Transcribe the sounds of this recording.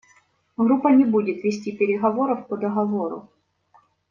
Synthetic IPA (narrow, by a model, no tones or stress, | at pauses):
ɣɾupːənʲɪbudʲɪt̪vʲɪsʲtʲipʲɪɾʲɪɣɐvo̞ɾəfpəd̪ɐɣɐvo̞ɾʊ̰